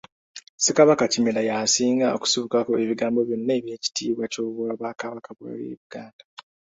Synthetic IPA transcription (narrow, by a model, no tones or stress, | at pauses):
sekaβakacimelajasiːŋɡaoku̥suβukakoe̞βiɡaːmbo̞βjonːe̞ːβje̞ːci̥tiːβwacoːβwaβakaβakaβwa̰ljḛːβiɡ̥aːnda